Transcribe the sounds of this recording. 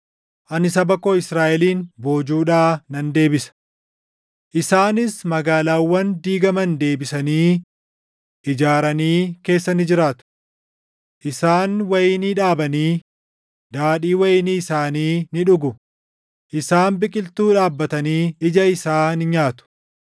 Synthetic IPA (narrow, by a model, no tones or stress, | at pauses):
ʔɐnɪsɐbɐkːoːɪsɾaːʔɛliːnbo̞ːd͡ʒuːᶑaːnɐnd̪e̞ːbɪsɐ̥ | ʔɪsaːnɪsmɐɡaːlaːwːɐnd̪iːɡɐmɐnd̪e̞ːbɪsɐniː | ʔɪd͡ʒaːɾɐniːke̞ːsːɐnɪd͡ʒɪɾaːt̪ʊ̥ | ʔɪsaːnwɐjɪniːᶑaːbɐniː | d̪aːɗiːwɐjɪniːɪsaːniːnɪᶑʊɡʊ | ʔɪsaːnbɪkʼɪlt̪uːᶑaːbːɐt̪ɐniːɪd͡ʒɐɪsaːnɪɲaːt̪ʊ̥